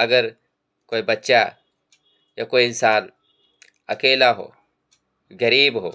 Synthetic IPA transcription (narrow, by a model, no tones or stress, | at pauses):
ɐɡɐɾ | koibɐt͡ʃːt͡ʃa | jakojinsaːn | ɐkeːlaɦo̰ | ɡɐɾiːbɦo̰